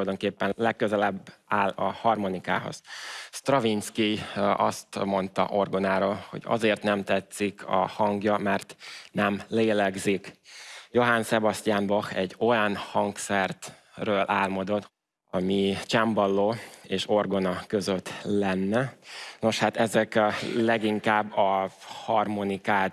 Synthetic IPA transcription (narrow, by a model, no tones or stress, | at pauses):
ojd̪o̞ŋkeːpːɛnlɛkːøzɛlɛbːaːlɒhɒrmonika̰ːɦo̰z̥st̪rɒvinskiɒ̰st̪mo̞nt̪ɒ̰ʔo̞rɡo̞naːɾoːlho̞̰ɟɒ̰zeːrt̪nɛmt̪ɛt̪sːikʰɒ̰hɒŋɡjɒmɛrt̪nɛmleːlɛɡzikjo̞ɦansɛbɒst̪ʲaːmbɒxɛɟːo̞janhɒŋksɛrt̪røːlʔaːlmɒd̪o̞t̪ː | ɒmit͡ʃɛmbɒlːoːeːʃo̞rɡo̞nɒkøzøt̪ːlɛnːɛno̞ʃhat̪ɛzɛklɛɡiŋkaːbːɒhɒrmonikaː